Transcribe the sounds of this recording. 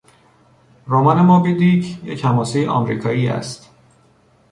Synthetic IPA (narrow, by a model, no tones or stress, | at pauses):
ɾomɒnemɒːbid̪icjechæmɒːsejeʔɒ̰mɾḭːkʰɒːjiːæ̰st̪